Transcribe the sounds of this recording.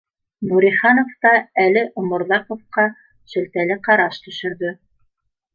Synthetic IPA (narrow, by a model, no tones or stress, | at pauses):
buɾiχɑnoft̪ɑælɘʔumŏɾlˠɑqofqɑ | ʃɵ̆lt̪ælɘqɑɾɑʃt̪ɵ̆ʃɵ̆ɾðɵ